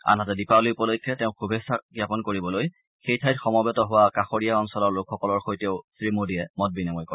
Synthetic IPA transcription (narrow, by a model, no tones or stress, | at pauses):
a̰natɛdipalijupɔlojkʰːɛtɛʊ̃kʰubʱesaɡjapɔnkoɹibɔloj | xejtʰajtxɔmɔbɛtɔɦʊwakaxoɹijaɔnsɔlɔɹlʊkʰxɔkɔlɔɹxojteʊsɹimodiɛmɔt̚binamɔjkɔɹ